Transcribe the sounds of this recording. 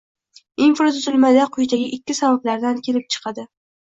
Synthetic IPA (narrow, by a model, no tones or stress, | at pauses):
infɾot̪ʰʊzɪlmad̪aqʰʊjt̪ʰaɡʲɪʔɪkʲʰːɪsabablaɾd̪ankʲʰe̞lɪp̚t͡ʃʰɨ̥qʰɑd̪ɪ